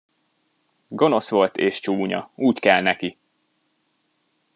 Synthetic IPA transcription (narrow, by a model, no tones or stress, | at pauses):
ɡo̞no̞sʋo̞lt̪ʰeːʃt͡ʃuːɲɒ̰uːckɛlnɛki